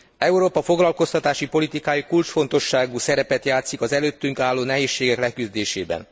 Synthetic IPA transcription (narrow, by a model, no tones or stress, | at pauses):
ɛuɾoːpɒfo̞ɡlɒlko̞st̪ɒt̪aːʃipo̞lit̪ikaːjikult͡ʃfo̞nt̪o̞ʃːaːɡusɛɾɛpɛt̪jaːt̪sikɒzɛløːt̪ːyŋkaːlːoːnɛɦeːʃːeːɡɛklɛkyzd̪eːʃeːbɛ̰n